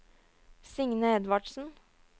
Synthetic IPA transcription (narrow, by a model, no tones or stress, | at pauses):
sɪŋnəɛd̪ʋɑɖsn̩